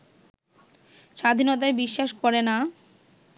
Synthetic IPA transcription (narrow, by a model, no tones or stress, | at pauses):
ʃad̪ʱinot̪̬aebiʃːaʃkɔɾena